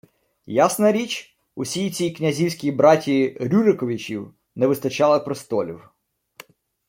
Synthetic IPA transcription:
jasnɐɾʲit͡ʃʲ | ʊsʲijit͡sʲijknʲɐzʲiwsʲkʲibɾɑtʲiɾʲuɾɪkɔʋʲit͡ʃʲiw | nɛʋɪst̪ɐt͡ʃɑlˠɪpɾɪst̪ɔlʲḭw

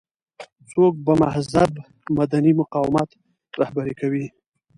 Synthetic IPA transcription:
t͡sok̚bamahzab | mad̪animʊqɑwɪmat̪ | ɾahbaɾekawi

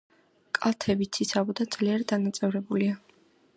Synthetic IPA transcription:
kʼalˠt̪ʰɛbit̪sʰit̪sʰavɔd̪ad̪zliɛɾd̪anat̪sʼɛvɾɛbulia

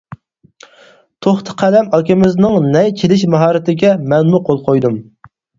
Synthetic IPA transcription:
t̪ʰoχt̪ʰə̥qʰælɛmɑkʲɪmɪznɪŋnɛjt͡ʃʲʰelɪʃmɑɦɑːɾɪt̪ʰɪɡʲɛmɛnmuqʰolˠqʰojd̪um

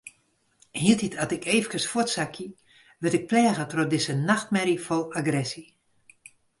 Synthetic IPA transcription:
hiətitʰatɪkeːvəkəsfʊətsakʰji | ʋɪtɪk̚plɛːɣətrot̚dɪsənaxt̚mɛɾifɔlaɡrɛsi

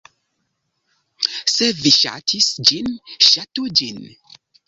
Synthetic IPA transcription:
seviʃa̰tʰisd͡ʒinʃatud͡ʒin

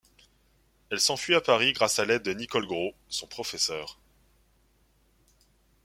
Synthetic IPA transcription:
ɛlsɑ̃fɥiapaʁiɡʁasalɛd̪̚ːənikɔlɡʁosɔ̃pχɔfɛsœːʁ

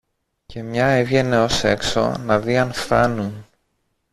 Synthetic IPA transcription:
ce̞mɲɐevʝe̞ne̞o̞se̞kso̞̰nɐðiɐnfθɐnun

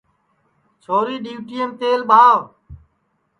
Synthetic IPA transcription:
t͡ʃʰoːɾiːɗiːʈiːemt̪eːlɓʱaːʋ

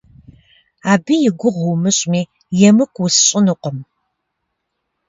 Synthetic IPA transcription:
aːbijɪɡʷʊʁuwmɨɕʼmiː | jɛmɨkʷʰwʊsɕʼɪnɨqʷɔm

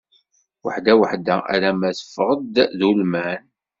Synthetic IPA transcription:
wə̰ħd̪æwəħd̪æʔæ̰ɾæmæθə̥fːəʁəd̪ðulmæn

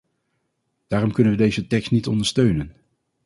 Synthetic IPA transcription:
d̥aːɾɔmkɵnənʋədejzətɛkstnitɔndəɹstøɥnən

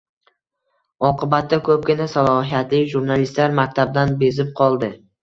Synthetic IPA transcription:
ɒqʰɨbat̪ːakʰɵp̚ɡʲɪnasalˠɒɦijat̪lɪkʲʒuɾnalist̪laɾmak̚ʲt̪ʰab̚d̪anbezɪp̚qʰɒlˠd̪ɪ

